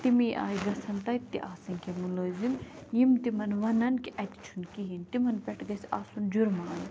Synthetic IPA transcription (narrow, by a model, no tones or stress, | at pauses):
t̪imiːʔa̰ːjiɡɐsɐnt̪ɐt̪ːḭʔaːsɐŋkemuloːzimjimt̪imɐnʋɐnɐnkiʔɐt̪i̥t͡ʃʰunkiɦint̪imɐnpʲɛʈʰɡɐsʔa̰ːsund͡ʒuɾmaːn